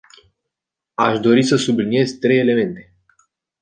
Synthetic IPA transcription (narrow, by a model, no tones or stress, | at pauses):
aʃd̪o̞ɾisəsublinije̞zt̪ɾe̞je̞le̞me̞nt̪e̞